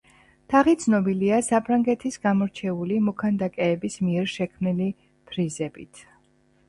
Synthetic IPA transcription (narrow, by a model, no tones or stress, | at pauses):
t̪ʰaʁit̪sʰnɔbiliasapʰɾaŋɡɛt̪ʰisɡamɔɾt͡ʃʰɛulimɔkʰand̪akʼɛːbismiɛɾʃɛkʰmnili | pʰɾizɛbḭt̪ʰ